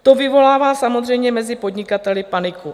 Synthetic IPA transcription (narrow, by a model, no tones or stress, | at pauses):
t̪ovɪvo̞laːvaːsamod̪r̝ɛjmɲɛmɛzɪpo̞d̪ɲɪkat̪ɛlɪpanɪku